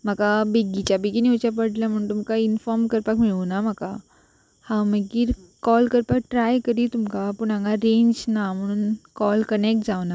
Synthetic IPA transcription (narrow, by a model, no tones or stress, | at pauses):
m̤akabeɡit͡ɕjabeɡiniut͡ɕjap̬əɽljam̤əɽ̃uːnt̪umkainfɔɾmkəɾpakmiɭunam̤aka | hãməɡiːɾ | kɔlkəɾpak̚ʈɾajkəɾiːt̪umkapuɳ̃ãŋɡaɾẽɲd͡ʑnam̤əɽ̃uːnkɔlkənek̚ʈ̚d͡zaʋna